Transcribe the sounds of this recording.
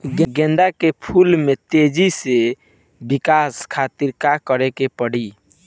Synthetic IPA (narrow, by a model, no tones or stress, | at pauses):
ɡẽɡɛ̃nd̪akepʰulmet̪ed͡ʒise | bikaskʰat̪iɾkakəɾekepəɽi